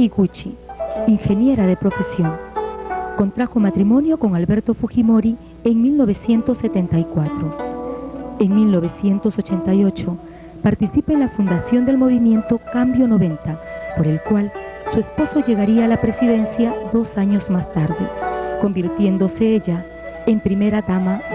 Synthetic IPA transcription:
iɣut͡ʃiiŋxe̞nje̞ɾaðe̞pɾo̞fe̞sjo̞ŋ | ko̞nt̪ɾaxo̞mat̪ɾimo̞njo̞ko̞ŋalβe̞ɾt̪o̞fuximo̞ɾi | eŋmilno̞β̞e̞sje̞nt̪o̞sːe̞t̪e̞nt̪ajkwat̪ɾo | e̞ŋmilno̞β̞e̞sje̞nt̪o̞so̞t͡ʃe̞nt̪ajo̞t͡ʃo̞ | paɾt̪isipeenlafund̪asjo̞nd̪e̞lmo̞βimjẽ̞nt̪o̞kambjo̞no̞βẽ̞nt̪apo̞ɾe̞lkwalsue̞spo̞so̞ʝe̞ɣaɾiaːlapɾe̞siðe̞nsjaðo̞saɲo̞zmast̪aɾðḛko̞mbiɾt̪je̞nd̪o̞se̞eʎa | empɾime̞ɾaðama

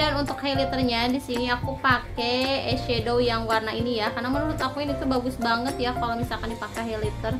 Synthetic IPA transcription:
danunt̪ʊkhalit̪ərɲadisiniakupakɛɛʃedowjaŋwarnainijakarnamənuɾʊt̪akuɪnit̪ubaɡʊsbaŋət̪jakalomisalkandipakɛɦɛlit̪ər

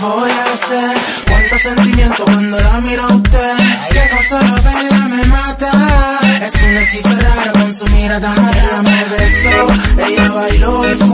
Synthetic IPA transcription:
vojaseɾ | kwant̪osent̪imjent̪okwand̪olamiɾowt̪ekekosaloβelamemat̪aɛsunet͡ʃiseɾaɾakonsumiɾad̪anaðeameβesoejaβajloef

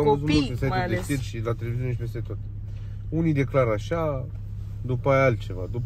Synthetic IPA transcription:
amvəzut̪mult̪pesaj̪ed̪esilʃilat̪e̞levizune̞ʃipe̞st̪e̞t̪oat̪e̥ | unid̪e̞klaɾaʃa | d̪upəajalt̪̚t͡ʃe̞va̰d̪up

